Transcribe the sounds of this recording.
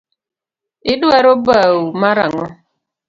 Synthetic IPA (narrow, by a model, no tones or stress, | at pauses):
ɪduɛɾobaumaɾa̰ŋɔ